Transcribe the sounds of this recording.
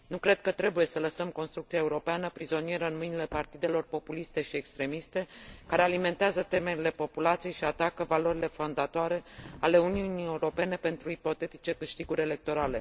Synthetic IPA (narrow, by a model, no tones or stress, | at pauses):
nukɾe̞d̪̚kət̪ɾe̞buje̞sələsəmko̞nst̪ɾuk̚t̪siaeuɾo̞peanəpɾizo̞nie̞ɾəɨnmɨjnile̞part̪id̪e̞lo̞rpo̞pulist̪e̞ʃiekst̪ɾe̞mist̪e̞kaɾe̞alime̞nt̪eazət̪e̞me̞ɾile̞po̞pulat̪sijejʃiat̪akəvalo̞ɾile̞fo̞nd̪at̪oaɾe̞ale̞uniunie̞uɾo̞pe̞ne̞pe̞nt̪ɾuipo̞t̪e̞t̪i̥t͡ʃe̞kɨʃt̪iɡuɾʲe̞le̞k̚t̪o̞ɾale̞